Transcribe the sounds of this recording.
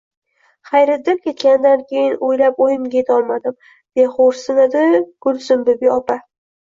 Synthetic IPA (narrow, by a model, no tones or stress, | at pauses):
χajɾɪd̪ɪmkʲe̞t̪kʲand̪ankʲʰejɪnojlapojɪmɡʲet̪ʰɒlˠmad̪ɪm | b̥eχoɾsɪnɪd̪ɪɡ̥ʊlsɪmbɪbiɒpa